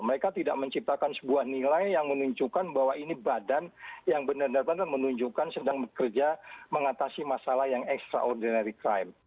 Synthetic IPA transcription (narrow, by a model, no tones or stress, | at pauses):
məɾekat̪ida̰ʔməɲt͡ʃip̚t̪akansəbuahnilajjaŋmənuɲd͡ʒukanbaɦwainibadanjaŋbənərnərbənrmənuɲd͡ʒukansədaŋbəkərd͡ʒaməŋat̪asimasalahjaŋɛkst̪ɾa̰ʔɔrdinaɾikɾajm